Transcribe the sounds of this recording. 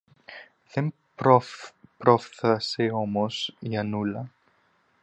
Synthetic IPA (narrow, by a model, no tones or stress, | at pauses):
ðem | ɾopɾofθɐseomosjɐnulɐ